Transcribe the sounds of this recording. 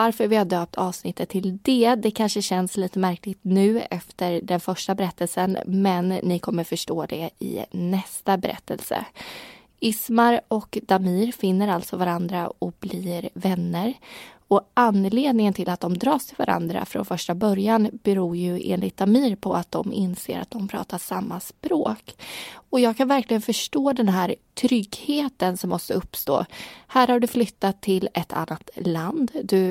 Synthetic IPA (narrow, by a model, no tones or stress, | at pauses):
vaɾfœɾvɪhaɖøːp̚t̪ʰɑːvsnɪt̪ʰːət̪ʰːɪld̪ɛd̪ɛkʰanʂəɕɛnsliːt̪əmæɾklɪɡt̪nʉ̟ːɛ̰ft̪əɾɖɛnfœʂʈabɛɾɛt̪ːəlsənmɛnːɪkʰɔmːəɾfœʂʈoːd̪ɛɪ̰nɛst̪abɛɾʔɛ̰t̪ʰːə̰lsə̰ | ɪsmaɾɔkd̪̥amiːɾfɪnːəɾalt̪sɔvaɾand̪ɾa̰ɔblɪɾvɛnːəɾɔʔanleːd̪̚nɪŋənt̪ʰɪlat̪̚d̪ɔmd̪ɾɑːʂt̪ʰɪlva̰ɾʔa̰nd̪ɾa̰fɾo̰nfœʂʈabœɾjanb̥ɛɾuːɾjɵḛːnlɪt̪̚d̪amiːɾpʰɔat̪̚d̪ɔmɪ̰nsḛːɾat̪̚d̪ɔmpʰɾɑ̰ːt̪aʂamːaspɾoːkɔjɑːɡ̚kʰanvæɾklɪɡənfœʂʈoːd̪ɛnɦæːɾt̪ʰɾʏɡheːt̪ənsɔmːɔst̪əɵpːst̪o̰ːhæːɾhaɖɵflʏt̪ːat̪ʰːɪlɛt̪ʰa̰nːat̪land̪d̪ɵ